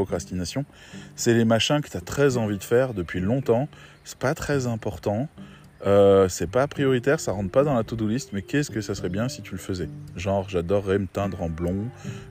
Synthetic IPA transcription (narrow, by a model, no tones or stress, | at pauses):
ɔkχast̪inasjɔ̃ | sɛlemaʃɛ̃kə̥t̪at̪χɛzɑ̃vid̪əfɛʁd̪əpɥilɔ̃t̪ɑ̃ | sɛ̥pat̪χɛzɛ̃pɔʁt̪ɑ̃ | øsɛpapχijɔʁit̪ɛʁsaʁɑ̃t̪pad̪ɑ̃lat̪ud̪ulist̪mɛkʲɛskəsasχɛbjɛ̃sit̪yləfəzɛʒɑ̃ʁʒad̪ɔʁːemət̪ɛ̃d̪ʁɑ̃blɔ̃